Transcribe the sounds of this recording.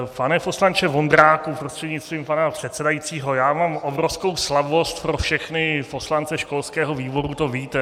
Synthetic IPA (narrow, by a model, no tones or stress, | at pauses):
panɛposlant͡ʃɛvo̞nd̪ɾaːkupɾost̪r̥ɛd̪ɲɪt̪st̪viːmpanapr̝̥ɛt̪sɛdajit͡siːɦo̞jaːmaːmʔobɾofskowslavbost̪pɾofʃɛxnɪpo̞slant͡sɛʃko̞lskɛːɦoviːbo̞ɾut̪o̞viːt̪ɛ